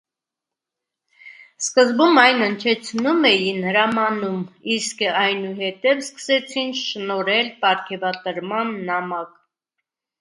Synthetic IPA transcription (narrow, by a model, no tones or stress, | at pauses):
skəzbumɑjnənt͡ʃʰɛt͡sʰnumɛjinhəɾɑmɑnumiskɑjnuɦɛt̪ɛvskə̥sɛt͡sʰinʃnɔɾɛlpɑɾkʰɛvɑt̪əɾmɑnːɑmɑk